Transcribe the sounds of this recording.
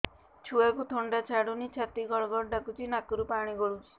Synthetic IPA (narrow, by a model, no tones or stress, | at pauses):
t͡ʃʰuakut̪ʰoɳɖat͡ʃʰaɽunit͡ʃʰat̪iɡɔɭɔɡɔɽɖakut͡ʃʰinakɔɾupaɽ̃iɡɔɽut͡ʃʰi̥